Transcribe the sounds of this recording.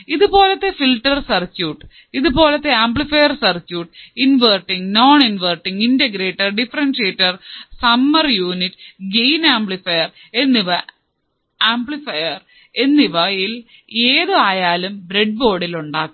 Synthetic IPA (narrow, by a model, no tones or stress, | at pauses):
iðubo̞ːlɐt̪ːe̞filʈːɐrsɐrt͡ɕːjuːʈː | iðubo̞ːlɐt̪ːe̞aːmblifɐjɐrsɐrt͡ɕːjuːʈinʋɐrʈːiŋɡnoːɳinʋɐrʈːiŋɡinteɡɾe̞ːʈːɐrɖifɐɾɐnʂeːʈːɐrsɐmːɐrjuːniʈːɡejnaːmblifɐjɐre̞nːiʋɐ | aːmbɭifɐjɐr | e̞nːiʋɐjil | eːðɨaːjaːlumbɾeɖ̚bo̞ːɽiluɳɖaːkː